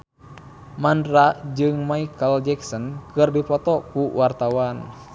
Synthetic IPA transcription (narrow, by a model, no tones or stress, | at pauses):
mandɾad͡ʒɨŋmaikəld͡ʒɛksɔnkɨrdipɔt̪ɔkuwart̪awan